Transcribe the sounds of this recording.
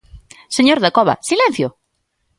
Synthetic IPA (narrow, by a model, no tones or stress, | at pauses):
seɲoɾðakɔβa̰silẽn̟θjo